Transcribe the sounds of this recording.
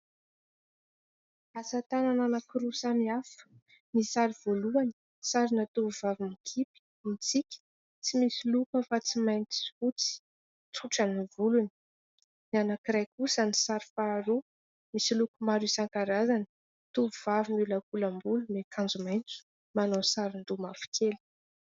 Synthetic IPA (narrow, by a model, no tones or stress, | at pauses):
asat̪anananakiɾusamiafə̥ | nisaɾiv̥oluani̥ | saɾinat̪uvuvavinikʰipi̥ | mit͡sikʲi̥ | t͡simisilukəfat͡simajnt͡si̥ut͡si̥ | t͡suʈ͡ʂanivuluni̥ | nianakiɾajkusanisaɾifaːɾu | misilukumaɾisaŋkaɾazan | t̪uvuvavinulakulambulunekʰãnd͡zumajnt͡su̥ | manosaɾind̪umafi̥kʰeli̥